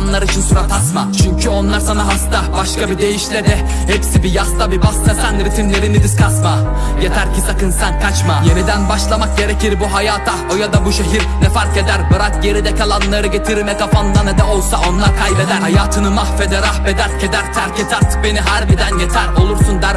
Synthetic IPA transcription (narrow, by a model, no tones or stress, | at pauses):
nlˠaɾɯit͡ʃʰinsuɾat̪ʰasmat͡ʃʰyɲcʰyo̞nlˠaɾsanaɦast̪abaʃkabid̪e̞jiʃlʲed̪ɛ | hɛpsibijahst̪abibast̪ɛsænɾit̪ʰimlʲeɾinid̪iskʰat̪ma | jet̪ʰæɾcisakɯnsænkʰat͡ʃmajenid̪ænbaʃlˠamak̚ɟe̞ɾeciɾbuɦajaːt̪ʰaojad̪abuʃeɦiɾnɛfaɾked̪æɾbɯɾakje̞ɾid̪ɛcalˠanlˠaɾɯɟet̪ʰiɾmɛkafand̪anɛd̪ɛo̞lˠsao̞nlˠaɾkʰajbed̪æɾhajaːt̪ʰɯnɯmahfed̪ɛɾabed̪æɾcʰed̪æɾt̪ʰæɾcet̪ʰæɾt̪beniɦæɾbid̪ænjet̪ʰæɾo̞lˠuɾsund̪æɾ